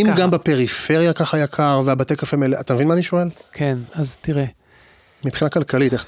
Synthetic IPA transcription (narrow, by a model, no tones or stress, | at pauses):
imɡambape̞ʁife̞ʁjakaχajakʰaʁveabatekafemeleʔat̪amevinmaːniʃoe̞lkʰenaztiʁe | mipχinakalkaliteχ